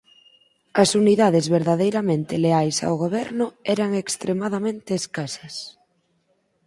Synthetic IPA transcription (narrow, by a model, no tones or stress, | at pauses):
ɐsuniðaðezβeɾðað̞ejɾamẽnt̪eleajsa̰wɣoβ̞ɛɾnʊɛɾaŋekst̪ɾemaðamẽnt̪eːskasɐs